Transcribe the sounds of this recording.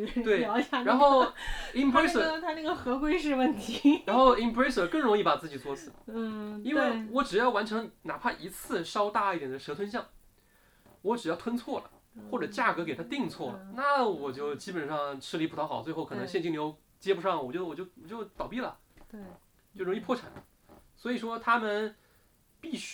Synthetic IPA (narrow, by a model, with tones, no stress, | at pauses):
t̪we˥˩ɪjɑ˧˥ʊɕʰa˧˩ɻa˧˥nxo˥˩ʊi˥npʰɹe˥ɪə˨˥˩t̪ʰa˥na˥˩ɡə˩xɤ˧˥kwe˥ɪʂɻ̩˥˧wə˥˩nt̪ʰi˧˥ɻa˧˥nxo˥˧ʊi˧˥npɹe˥ɪsə˨˩kɤ˥˩ŋɻʊ˧˥ŋi˥˩pa˨˩t͡sɹ̩˥˩t͡ɕi˨˩t͡swɔ˥t͡sʰɹ̩˨˦˥i˥nwe˥˩ɪwɔ˧˥˩ʈ͡ʂɻ̩˨˩jɑ˥˩ʊwa˧˥nʈ͡ʂʰɤ˧˥ŋna˨˩pʰa˥˩nʔi˧˥t͡sʰɹ̩˥˩ʂɑ˥ʊt̪a˥˧i˥˩t̪jɛ˨˩nd̪ə˦ʂɤ˧˥t̪ʰwə˥nɕ̬jɑ˥˩ŋ | wɔ˧˥ʈ͡ʂɻ̩˨˩jɑ˥˩ʊt̪ʰwə˥nt͡sʰwɔ˥˩lə̰˩ | xwɔ˥˩ʈ͡ʂɤ˨˩t͡ɕja˥˩kɤ˧˥ke˨˩t̪ʰa˥t̪i˥˧ŋt͡sʰwɔ˥˩lə̰˩na˥˩wɔ˨˩t͡ɕjo˥˩ʊt͡ɕi˥pə˨˩nʂɑ˥˧ŋʈ͡ʂʰɻ̩˥li˧˥p̪ʰɑ˥xɑ˨˩˦t͡swɪxo˥˩kɤ˨˩˧ŋɕjɛ˥˧nt͡ɕi˥˩ŋljo˧˥ʊ | t͡ɕjɛ˥pu˧˥ʂɑ˥˩ŋwɔ˨˩jo˥˩wɔ˨˩jo˥˩ʊwɔ˨˩t͡ɕjo˥˧ʊt̪ɑ˨˩ʊpi˥˩lə̰˩ | t̪e˥˩ | t͡ɕo˥˩ʊɻʊ˧˥ŋi˥˩pʰwɔ˥˩ʈ͡ʂʰa̰˨˩n˦ | swɔ˧˥i˨˩ʂwɔ˥t̪ʰa˥mə˨n | pi˥˩ɕ